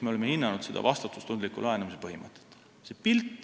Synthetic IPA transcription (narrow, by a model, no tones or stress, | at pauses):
me̞o̞le̞mehinːɑnud̪̥sed̪̥ɑ̰vɑst̪ɑt̪ːˑu̥st̪und̪likˑulɑenɑmisepɤɦimɤt̪ːˑe̥t̪ːˑ | sepilt̪ːˑ